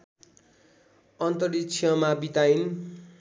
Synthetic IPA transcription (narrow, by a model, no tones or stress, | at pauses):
ʌnt̪ʌɾitt͡sʰjʌmabit̪ain